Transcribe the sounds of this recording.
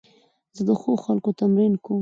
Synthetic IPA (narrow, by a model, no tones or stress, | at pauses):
zəd̪əxoxalkot̪amɾinko